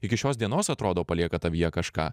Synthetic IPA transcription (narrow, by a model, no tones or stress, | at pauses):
ɪkʲɪʃʲoːsd̪ʲiɛnoːsɐt̪ɾoːd̪oːpɐlʲiɛkɐt̪ɐʋʲijɛkɐʃkɑ̰ː